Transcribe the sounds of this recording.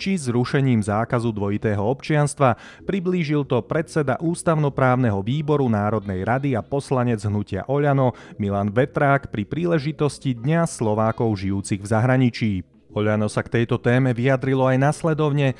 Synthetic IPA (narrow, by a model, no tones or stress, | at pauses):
t͡ʃizɾuʃɛɲiːmzaːkazud̪ʋɔit̪ɛːɦɔɔpt͡ʃɪanst̪ʋa | pɾibliːʒilt̪ɔpɾɛt͡sɛd̪a̰ʔuːst̪aʊnɔpɾaːʊnɛɦɔʋiːbɔɾunaːɾɔd̪nɛjɾad̪iapɔslaɲɛd͡zɦnucɪa̰ʔɔʎanɔmilaːnʋɛt̪ɾaːkpɾipɾiːlɛʒit̪ɔscid̪ɲaslɔʋaːkɔʊʒijuːt͡siɣvzaɦɾaɲit͡ʃiː | ɔʎanɔsakt̪ɛjt̪ɔt̪ɛːmɛʋiad̪ɾilɔajnaslɛd̪ɔʊɲɛ